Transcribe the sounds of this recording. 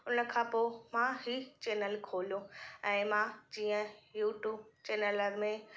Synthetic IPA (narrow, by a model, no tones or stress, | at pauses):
ʊnə̆kʰãːpoːmãɦit͡ɕeːnəlkʰoːljõɛ̃ːmãd͡ʑiːə̃juːʈjuːbt͡ɕeːnələɾmẽ